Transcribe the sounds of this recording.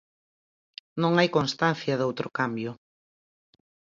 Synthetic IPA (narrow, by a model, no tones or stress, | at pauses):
nõŋajkõnst̪anθjɐðowt̪ɾʊkambjʊ